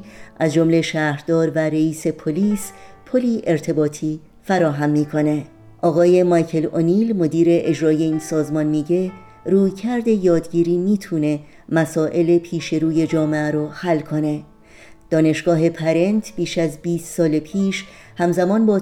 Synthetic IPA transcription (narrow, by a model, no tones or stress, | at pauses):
ʔæzd͡ʒo̞mle̞ʃæːɾd̪ɒːɾvæɾeiːse̞pʰo̞liːspʰo̞liːʔe̞ɾt̪ʰe̞bɒːt̪ʰiː | fæɾɒːɦæmːiːkʰo̞ne̞ | ʔɒːɣɒːje̞mɒjcʰe̞loniːlmo̞d̪iːɾe̞ʔed͡ʒɾɒːje̞iːnsɒːzmɒːnmiːɟe̞ | ɾuːjcʰæɾd̪e̞jɒːd̪ɟiːɾiːmiːt̪ʰuːne̞ | mæsɒːʔe̞le̞pʰiːʃe̞ɾuːje̞d͡ʒɒːmeæɾohælːkʰo̞ne̞ | d̪̥ɒːne̞ʃɡ̥ɒːɦe̞pʰæɾe̞nt̪ʰb̥iːʃæzbiːst̪sɒːlepʰiːʃ | hæmzæmɒːnbɒː